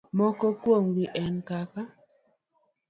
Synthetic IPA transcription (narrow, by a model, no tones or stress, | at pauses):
mɔkɔkwoŋɡiʔɛnkaka